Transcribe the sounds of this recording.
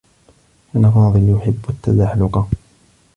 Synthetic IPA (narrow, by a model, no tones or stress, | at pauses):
ʔanafɑːðˤɨljʊħɪbːat̪ːazaħlʊqa